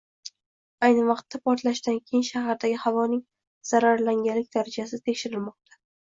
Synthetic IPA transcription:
ajnɪvɑqt̪ːapʰɒɾt̪laʃd̪ankʲʰejɪnʃaɦaɾd̪aɡʲɪhavɒnɪŋ | z̥aɾaɾlaŋɡʲalɪk̚ʲd̪aɾad͡ʒasɪt̪ʰekʲʃɪɾɪlmɒq̚t̪ʰḁ

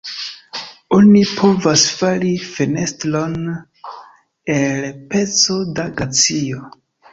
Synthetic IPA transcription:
o̞nipʰo̞vasfalifene̞stlo̞n | elpe̞t͡so̞daɡat͡sio

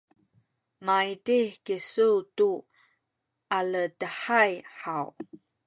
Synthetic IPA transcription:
majitikisuwtu | alədəħajħaw

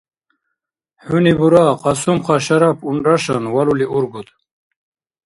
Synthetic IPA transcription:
hunibuɾaqɑsumqɑɕɐɾapuɳɾaɕanwaluliʔuɾɡut̪

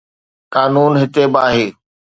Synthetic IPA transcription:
kaːnuːnɦɪt̪ebɪaːɦeː

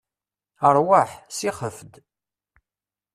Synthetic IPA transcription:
əɾˤwəħsiχəfd̪

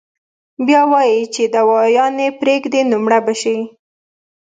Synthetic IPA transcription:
bjɑwɑjit͡ʃed̪əwɑjɑnepɾeɡd̪enumɽabaʃi

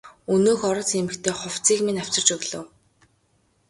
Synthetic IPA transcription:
ɵnoːxɔɾɞ̆t͡semɘ̆kt̪ʰeːχʊw̥t͡siːkmenaw̥ʲt͡sə̆rt͡ɕɵɣɮɵ̰̆ːw

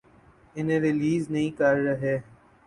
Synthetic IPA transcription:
ɪnẽːɾɪliːznəɦĩːkəɾɾəɦeː

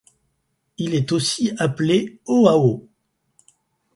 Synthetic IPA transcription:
ilɛt̪osiapleoao

